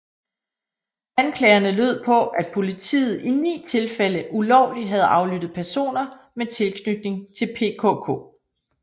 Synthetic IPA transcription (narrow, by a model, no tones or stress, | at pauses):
ænkʰlɛ̰ːɐnəløð̞̰ˠpʰɒ̽æd̥pʰo̝lit͡sʰḭːð̞̩ˠinḭːt͡sʰe̝lfel̰əʔulɒʊ̰liɦæð̞̩ˠɑ̈ʊlyd̥ð̩ˠpʰæɐso̝̰ːnɐ | met͡sʰe̝lkʰnyd̥̚ne̝ŋt͡sʰe̝lpʰe̝̰kʰo̰kʰo̝̰ː